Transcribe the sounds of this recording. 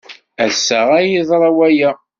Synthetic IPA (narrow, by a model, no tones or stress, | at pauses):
æsəʁæjiðˤɾˤɑwæjæ